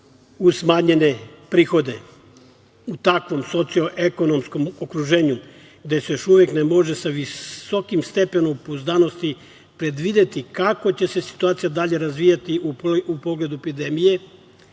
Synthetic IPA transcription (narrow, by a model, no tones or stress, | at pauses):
usmaːɲe̞ne̞pɾiːxo̞d̪e̞ | ut̪akʋo̞mso̞t̪sijo̞ʔeko̞no̞msko̞mokɾuʒe̞ːɲu | ɡd̪e̞sejo̞ʃuʋje̞knemo̞ʒe̞saʋiso̞kimst̪e̞pe̞nompozd̪ano̞st̪i | pɾe̞d̪ʋid̪e̞t̪ikako̞t͡ɕe̞se̞si̥t̪uaːt̪sijad̪aʎe̞ɾazʋijat̪iuupo̞ɡle̞d̪uepid̪e̞mije̞